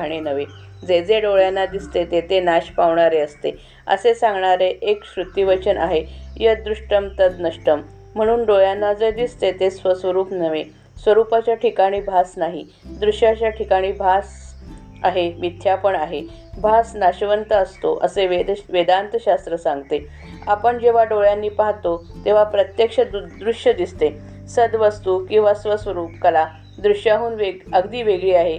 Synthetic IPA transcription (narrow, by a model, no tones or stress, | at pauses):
ɽ̃enəʋe | d͡zed͡zeɖoɭjanːad̪ist̪et̪et̪enaɕpaʋɳaɾeəst̪e | ə̰sesãŋɡɳaɾeʔekɕɾut̪iʋət͡ɕənʔa̰ɦejəd̪ɾuʂʈəmt̪əd̪nəʂʈəm | m̤əɽ̃uːnɖojanːad͡zəjd̪ist̪et̪esʋəsʋəɾuːpnəʋe | sʋəɾupat͡ɕjaʈʰikaɽ̃iːbʱasnaɦi | d̪ɾuɕjat͡ɕjaʈʰikaɽ̃iːbʱas | aɦemit̪ʰːjapəɳaɦe | bʱasnaɕʋənt̪əəst̪oʔəseʋed̪ʋed̪ant̪əɕast̪ɾəsãŋɡt̪e | apəɳd͡ʑeʋ̤aɖoɭjanːiːpaɦt̪ot̪eʋ̤apɾət̪jekʂəd̪ɾuʂjəd̪ist̪e | səd̪ʋəst̪ukĩw̃ʋasʋəsʋəɾuːpkəla | d̪ɾuɕjaɦuːnʋeəɡd̪iːʋeɡɭiːaɦe